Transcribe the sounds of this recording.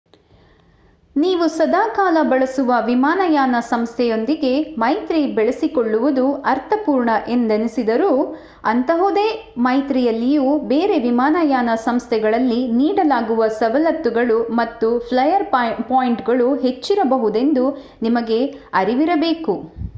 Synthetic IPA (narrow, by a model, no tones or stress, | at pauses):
niːʋusɐd̪aːkaːlɐbɐɭɐsuʋɐʋimaːnɐjaːnɐsɐmst̪ʰɛjo̞nd̪iɡe̞mɐjt̪ɾibɛɭesikoɭːuʋud̪uɐɾt̪ʰɐpuːɾɳɐʔe̞nd̪ɐnisid̪ɐɾuː | ɐnt̪ɐɦud̪eː | mɐjt̪ɾijɐlːijuːbe̞ːɾe̞ʋimaːnɐjaːnɐsɐmst̪ʰɛɡɐɭɐlːiniːɽɐlaːɡuʋɐsɐʋɐlɐt̪ːuɡɐɭumɐt̪ːupʰlɐjɐɾpaːjiɳʈɡɐɭuɦe̞t͡ʃːiɾɐbɐɦud̪e̞nd̪u | nimɐɡe̞ɐɾiʋiɾɐbe̞ːku